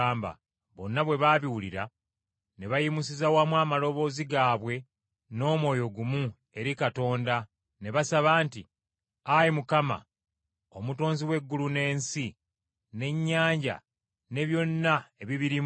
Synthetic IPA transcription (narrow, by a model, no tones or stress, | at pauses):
aːmba̰ | βo̞nːaβwe̞βaːβiwuliɾa | ne̞βajimus̬izawamwaːmalo̞βo̞ːziɡaːβwe̞ | no̞ːmwo̞ːjo̞ɡumu | e̞ɾikato̞ːnda | ne̞βasaβaːnti | ajimukama̰ | o̞muto̞ːnziwe̞ɡːulune̞ːnsi | ne̞ɲːaːɲɟa̰ | ne̞βjo̞nːae̞βiβiɾi